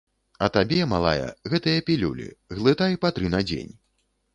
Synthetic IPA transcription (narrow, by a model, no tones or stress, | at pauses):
ɐt̪abʲɛmalˠa̰jɐ̰ɣɛt̪ɐjɐpʲilʲulʲḭɣlˠɨt̪ajpat̪ɾɨnɐd͡zʲḛnʲ